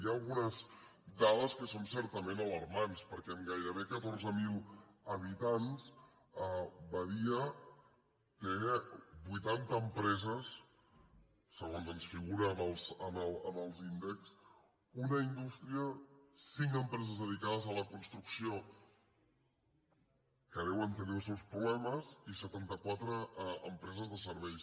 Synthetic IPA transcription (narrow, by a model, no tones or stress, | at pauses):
jaːlˠɣunəz | d̪aðəskəsonsɛɾt̪əmenələɾmanspəɾkɛəmɡajɾəβ̞ekət̪orzəmilˠəβit̪ans | əbəðiə | t̪ebujt̪ant̪əːmpɾɛzəs | əɣonzənsfiɣuɾəːməlˠsəmələməlˠzind̪əks | unəind̪ust̪ɾiəsiŋkəmpɾɛzəzðəðikað̞əzələkunst̪ɾuksio | kəðɛwənt̪əniulˠsɛwspɾuβlɛməzisət̪ant̪əkwat̪ɾəːmpɾɛzəzðəsəɾβɛjs